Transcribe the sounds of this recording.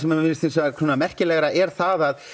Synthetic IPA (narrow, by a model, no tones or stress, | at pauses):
ɛmɛvɪnst̪insɛak̪ʰuːnamɛr̥cɪlɛːɣɾaʔɛɾ̥θaðað